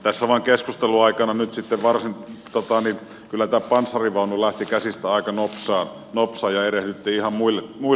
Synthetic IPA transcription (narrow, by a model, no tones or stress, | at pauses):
t̪æsːæʋɑˑiŋkeskust̪eluɑikɑnɑnyt̪sit̪ːeʋʋɑrsint̪ot̪ɑnin | kylːˑæt̪æːpɑnsːɑriʋɑˑunulæht̪ikæsist̪æɑikɑnopsˑɑːn | nopsˑɑːjjɑerehlyt̪ːiːihɑmmuilːemu